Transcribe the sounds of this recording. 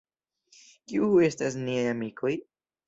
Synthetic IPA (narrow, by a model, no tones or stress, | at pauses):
kiue̞stas̬niajamikʰo̞j